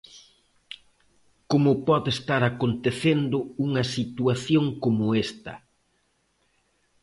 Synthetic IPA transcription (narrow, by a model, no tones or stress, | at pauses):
komʊpɔðest̪aɾakont̪eθend̪ʊuŋɐsit̪uaθjoŋkomʊest̪ɐ